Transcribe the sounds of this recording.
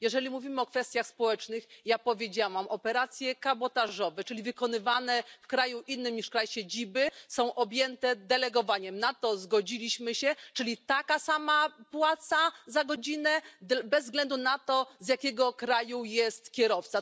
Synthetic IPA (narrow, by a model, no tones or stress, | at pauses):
jɛʐɛlʲimuvʲimɘɔkfɛst̪ʲjaxspɔwɛt͡ʂnɘxjapɔvʲjed͡ʑawamʔɔpɛɾat̪sʲjɛkabɔt̪aʐɔvɛt͡ʂɘlʲivɘkɔnɘvanɛfkɾajuʔinːɘmɲiʂkɾajɕed͡ʑibɘsɔ̃w̃ʔɔbʲjɛnt̪ɛd̪ɛlɛɡɔvaɲɛmnat̪ɔzɡɔd͡ʑilʲiɕmɘɕɛt͡ʂɘlʲit̪akasamapwat̪sazaɡɔd͡ʑinɛbɛzːɡlɛnd̪unat̪ɔzjakʲɛɡɔkɾajujɛst̪kʲɛɾɔft̪sa